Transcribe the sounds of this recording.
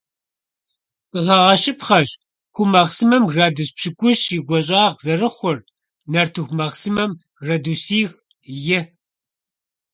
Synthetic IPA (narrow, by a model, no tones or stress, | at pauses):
qʼəʁɐʁɐʃɪpχɐʑ | xʷʊmɐʁsɨmɐmraːduːspɕɨkʷʼʊʃiːɡʷɔɕ̬ʼaːʁzɐrɨχʷʊr | nɐrtʰɨxʷmɐʁsɨmɐm | rɐduːsiːx | jɪ